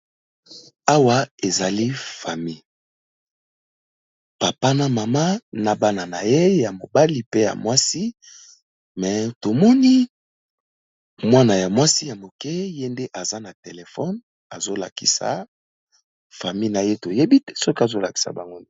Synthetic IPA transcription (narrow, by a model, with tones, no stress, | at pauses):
a˦wa˦e˨za˨li˦fa˨mi˦˨ | pa˨pa˦na˦ma˨ma˦na˨ba˦na˨na˨je˦ja˨mo̰˨ba˦li˦pe˦ja̰˨mwa˦si˦ | mɛ˨to˨mɔ˦ni˦ | mwa˦na˨ja˨mwa˦si˦ja˨mo˨kɛ˦je˦nde˦ʔa˨za˦na˨te˨le˨fɔ˦n | a˨zo˦la̰˨kḭ˨sa̰˨ | fa˨mi˦˨na˨je˦to˨je˦bi˦tɛ̥˦sɔ˦ki˦a˨zo˦la˨ki̥˦sa̰˨ba˨ŋɡo˦ne˦